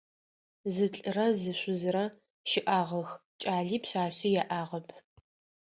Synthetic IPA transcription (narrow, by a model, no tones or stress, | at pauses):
zɨt͡ɬʼɨrɐzɨɕʷʊzɨɾɐ | ʃɪʔaːʁɐxt͡ʃʼaːɮiːpɕaːɕijɛʔaːʁɐpʰ